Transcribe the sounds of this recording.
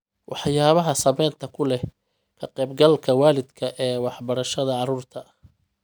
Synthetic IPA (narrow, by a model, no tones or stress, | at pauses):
wʔɑħjaːβɐɦɐsɐmɛːnt̪ʰɐkʰʊlɛ | kʰɐqɛjbɡɐlkʰɐwaːlɪd̪kʰɐʔɛːwɑħbɐɾɐʃɐðɐʕɑɾuːrt̪ʰɐ